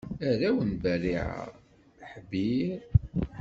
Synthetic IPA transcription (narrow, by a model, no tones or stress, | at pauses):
æɾæwənbæriʕə̰ʁ | ħbi